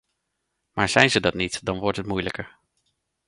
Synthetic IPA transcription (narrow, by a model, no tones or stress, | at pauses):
maːɹz̥ɛjnzədɑtnitdɑnʋɔɹtɦətmujləkəɹ